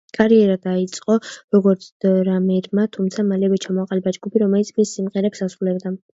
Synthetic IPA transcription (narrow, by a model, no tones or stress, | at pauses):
kʼaɾiɛɾad̪ait̪sʼqʼɔɾɔɡɔɾt̪sʰd̪̥ɾamɛɾmat̪ʰumt̪sʰamalɛvɛt͡ʃʰamɔaqʼalɛbad͡ʒɡupʰiɾɔmɛlit̪sʰmisːimʁɛɾɛpsasɾulɛbd̪a